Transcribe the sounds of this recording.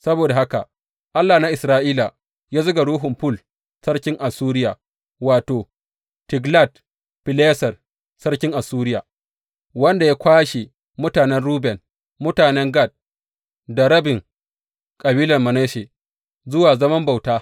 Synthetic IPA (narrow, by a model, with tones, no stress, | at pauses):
sɐ˦boː˨da˨ha˦ka̰˨ | ʔa˦lːaː˨na˦ʔɪ˨sɾaː˦ʔiː˦la˨ | jaː˦zʊ˦ɡa˨ɽuː˦ɦʊ˨mɸʊ˦l | sɐ˦ɽkʲɪ˦ŋʔa˨suː˦ɾɪ˦jaː˨ | waː˨toː˨ | tɪ˨ɡla˦˨t | pɪ˨leː˦sɐ˨r | sɐ˦rkʲɪ˦ŋʔa˨suː˦ɾɪ˦jaː˨ | wɐ˦nda˨ja˦kʷaː˦ʃe˨ | mʊ˦taː˨nɛ˦nɽuː˦bɛ˨n | mʊ˦taː˨nɛ˦ŋɡa˦˨t̚ | da˨ɾɐ˦bɪ˨ŋ | kʼɐ˨biː˦lɐ˨rmɐ˨neː˦ʃeː˨ | zʊ˦waː˨zɐ˦mɐ˦mba˨wtaː˦